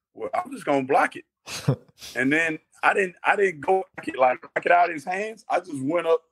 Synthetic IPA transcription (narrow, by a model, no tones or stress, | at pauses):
wɛlˠã̰ɪ̃md͡ʒʌs̬ɡ̥oʊə̃nblækɨt̚ | ɨ̃nðɨ̃n | a̰ɪɾɪdⁿn̩ta̰ɪɾɪdⁿn̩ɡ̥oʊbkɨt̚laɪk̚b̥lkɨɾaʊɾɨz̥hæ̃ndza̰ɪd͡ʒʌs̬t̚wɛ̃ɾ̃ʌp̚